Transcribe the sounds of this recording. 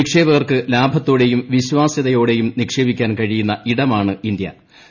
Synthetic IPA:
ikʂe̞ːbɐʋɐrkɨlaːbʱɐt̪ːoːɽe̞jumʋiɕʋaːsjɐðɐjo̞ːɽe̞jumnikʂe̞ːbikʲːaːnkɐɻijunːɐʔiɽɐmaːɳɨind̪jɐ̰

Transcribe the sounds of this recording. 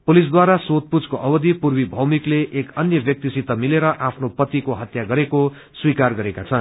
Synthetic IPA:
pulis̬d̪waɾasot̪̚pud͡zkoʔʌbʌd̪ʱipurbibʱʌwmikleʔekʌnjʌbjʌk̚t̪isit̪ʌmileɾʌʔapʰnopʌt̪ikoɦʌt̪jaɡʌɾeko | swikarɡʌɾekat͡sʰʌn

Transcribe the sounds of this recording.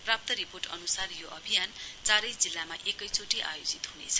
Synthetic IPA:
prap̚t̪ʌɾiporʈʌ̰nusarjoʔʌbʱijant͡saɾʌjsd͡zilːamaʔekʌjt͡sʰoʈiʔa̰jod͡zit̪ɦunḛt͡sʰʌ̥

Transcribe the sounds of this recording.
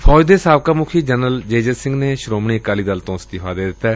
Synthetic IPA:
pʰɔːd͡ʒd̪eːsaːʋkaːmʊkʰiːd͡ʒənəld͡ʒeːd͡ʒəsɪ̃ŋɡneːʃɾoːmɳiːəkaːliːd̪əlt̪õːsət̪ɪɦʰaːd̪eːd̪ɪt̪ːɛː

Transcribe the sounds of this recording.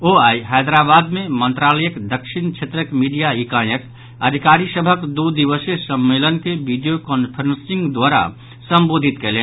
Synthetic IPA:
oːaːiɦaːd̪ɾaːbaːd̪mẽmə̃nt̪ɾaːləjəkd̪əkʃɪnkt͡ʃʰet̪ɾəkmiːɖijaikãːjək | ɐd̪ʱikaːɾisəbʱəkd̪ud̪iʋəsesəmːeːlənkeʋiɖijokɔːnpʰəɾə̃nsɪ̃ŋɡd̪waːɾa̰ | sə̃mboːd̪ʱɪt̪keleː

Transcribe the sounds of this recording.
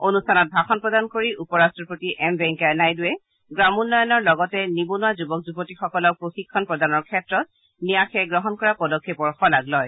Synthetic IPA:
onustʰanɔt̚bʱaxɔnpɹɔdankoɹiupɔɹastɹɔpotiʔɛmbɛŋkɛnajdʊɛ | ɡɹamunːɔjɔnɔɹlɔɡɔtɛnibonʊwazubɔk̚zubotixɔkɔlɔk̚pɹoxikʰːɔnpɹɔdanɔɹkʰɛtɹɔt̚ | nijaxʰɛɡɹɔɦɔnkɔɹapɔdɔkʰːepɔɹxɔlaɡlɔj

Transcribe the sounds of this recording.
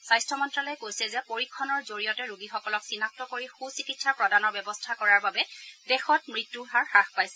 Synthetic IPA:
sajstʰɔmɔntɹalɔjɛkojsɛzɛpoɹikʰːɔnɔɹzoɹijɔtɛɹuɡixɔkɔlɔksinak̚tɔkoɹixusikitsapɹɔdanɔɹbɛbɔstʰakɔɹaɹbabɛdɛxɔt̚mɹitːuɦaɹxaxpajsɛ

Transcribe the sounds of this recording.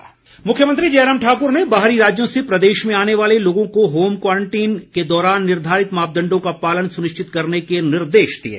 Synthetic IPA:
mʊkʰjəmə̃nt̪ɾid͡ʒeːjɾəmʈʰaːkʊɾnebaːɦɾiɾaːd͡ʒjõsepɾɐd̪eːʃmẽaːneʋaːleloːɡõkoɦoːmkwaːɾə̃ɳʈiːnked̪ɔːɾaːnːɪɾd̪ʱaːɾɪt̪maːp̚d̪ɐ̃ɳɖõkapaːlənsʊnɪʃt͡ʃɪt̪kɐɾnekenɪɾd̪eːʃd̪ḭḛː

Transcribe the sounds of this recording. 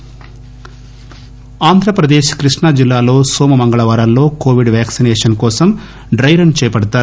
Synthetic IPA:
aːnd̪ʱɾɐpɾɐd̪eːʃkɾiʂɳɐd͡ʒilːaːlo̞ːsoːmɐmɐŋɡɐɭɐʋaːɾɐlːo̞ːkoːʋiɖʋjaːksinɛːʂɐnkɔːsɐm | ɖɾɐjɾɐnt͡ʃɛːjɐpɐɽɐt̪aːɾu

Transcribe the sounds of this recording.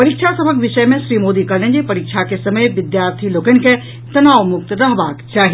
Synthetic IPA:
pɐɾikʃʰasɐbʱəkʋɪʃəjmẽʃɾiːmoːd̪ikɐɾnẽnd͡ʒepɐɾikʃʰakesɐməjʋɪd̪jaːɾt̪ʰiloːkənɪ̆ke | t̪ɐnaːʋmʊk̚t̪ɾɐɦbaːkt͡ʃaːɦi

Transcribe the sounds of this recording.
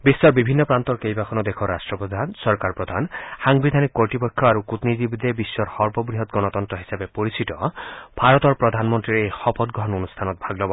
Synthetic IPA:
bisːɔɾbibʱinːɔpɾant̪ɔɾkejbakʰɔnɔd̪ekʰɔɾasʈɾɔpɔd̪ʱansɔɾkaɾpɾɔd̪ʱanhaŋbid̪ʱanikːɔɹʈipɔkʰːjɔaɾukut̪nid͡ʒibid̪ebisːɔɾhɔɾbʱɔbɾiɦɔt̪ɡɔnɔt̪ɔnt̪ɾɔɦisabepoɾisit̪ɔbʱaɾɔt̪ɔɾpɾɔd̪ʱanmɔnt̪ɾiɾexɔpʰɔt̪̚ɡɾɔɦɔnonust̪ʰanɔt̪̚bʱaɡlɔbɔ

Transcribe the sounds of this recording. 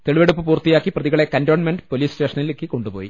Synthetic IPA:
t̪e̞ɭiʋeɽupːɨpuːrt̪ːijaːkːiprɐðiɣɐɭe̞kɐndoːɳmenɖɨpo̞liːsste̞ːʂɐnilekːɨko̞ɳɖupo̞ːji

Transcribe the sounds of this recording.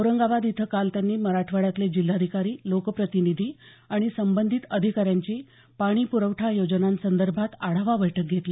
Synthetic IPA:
əɾəŋɡaʋad̪it̪ʰəkalt̪janːiːməɾaʈʰʋəɽjat̪led͡ʑilːad̪ʱikaɾiːlokəpɾət̪inid̪ʱiː | aɽ̃isəmbənd̪ʱit̪əd̪ʱikaɾjaɲt͡ɕiː | paɽ̃iːpuɾəʋʈʰajod͡ʑənãnsənd̪əɾbʱat̪aɽ̤aʋaʋəjʈʰək̚ɡʱet̪le

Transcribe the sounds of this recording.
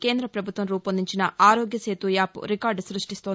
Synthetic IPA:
ke̞ːnd̪ɾɐpɾɐbʱut̪ʋɐmɾuːpɐnd̪iɲt͡ʃinɐʔaːɾoːɡjɐseːt̪ujaːpṵɾikaːɾɖsɾuʂʈist̪oː

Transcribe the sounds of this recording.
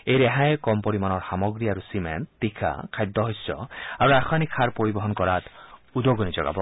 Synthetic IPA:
ejɾɛɦajekɔmpoɾimanɔɾxamɔɡɾiaɾusiment̪ːikʰa̰kʰajd̪ːɔɦojsɔ̰aɾuaxʰanikʰaɾpoɾibɔɦɔnkɔɾat̪ud̪oɡɔnid͡ʒɔɡa̰bɔ

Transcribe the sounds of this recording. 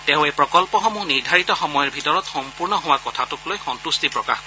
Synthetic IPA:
tẽʊ̃ejpɹɔkɔlpɔɦɔmuniɹdʱaɹitɔxɔmɔjɔɹbʱitɔɹɔtxɔmpuɹnɔɦowakɔtʰatʊklojxɔntustipɹɔka̰xkɔ

